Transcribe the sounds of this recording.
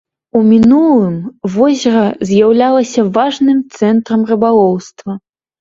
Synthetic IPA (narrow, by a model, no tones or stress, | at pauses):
umʲinulˠɨmvɔzʲɐɾɐzʲjawlʲalˠɐsʲɐvaʐnɨmt̪sɛnt̪ɾɐmrɨbalˠɔwst̪vɐ